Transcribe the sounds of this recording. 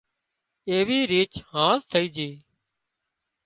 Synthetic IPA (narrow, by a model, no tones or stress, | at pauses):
eːʋiːɾiːt͡ʃhãːst̪ʰəiːd͡ʒeː